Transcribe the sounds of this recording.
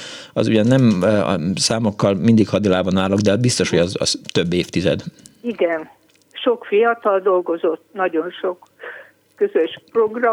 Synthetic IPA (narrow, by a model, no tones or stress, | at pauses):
ɒ̰zṵɟɒnːɛm̰ | saːmokːɒlmind̪ikhɒd̪ilaːbɒnaːloɡd̪ɛɒbist̪o̞ʃho̞ɟɒzɒ̰z̥t̪øbːeːft̪izɛ̰d̪iɡɛn | ʃo̞kfijɒt̪ɒld̪o̞lɡo̞zo̞t̪ːnɒɟo̞nʃok | køzøʃproɡrɒ